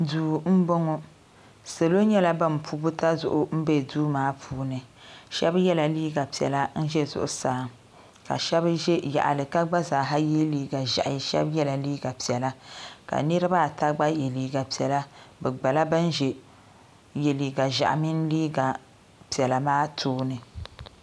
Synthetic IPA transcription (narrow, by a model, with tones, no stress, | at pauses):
duː˨m̩˦bo˦ŋɔ˦ | se˨lo˦ɲɛ˦la˦ba˦m˨pʰu˦bu˦ta˦zʊ˨ʔʊ˦m̩˦be˦˨duː˦maː˨˦pʰuː˦nɨ˨ʃɛ˦bjɛ˦la˨liː˦ɡa˨pi˨ɛ̰˨la˦n̩˦ʒɛ˦zʊ̰˨ʔʊ̰˨saː˨ | ka̰˨ʃɛ˦bʒɛ˦ja̰˨ʔa̰˨lɨ˨ka˦ɡ͡ba˦zaː˨ɦa˦ji˦liː˦ɡa˨ʒa̰˨ʔʃɛ̰˦bjɛ˦la˨liː˦ɡa˨pi˨ɛ˨la˦ka̰˨nɨ˦ɾɨ˦ba˦˨ta˦ɡ͡ba˦je˨liː˨ɡa˨pi˨ɛ˨la˦bɛ˨ɡ͡ba˨la˦ba˦n˦ʒɛ˨ | je˨liː˨ɡa˨ʒa̰˨ʔa˨mi˦n˦liː˦ɡa˨ | pi˨ɛ˨la˨maː˦tʰoː˦nɨ˨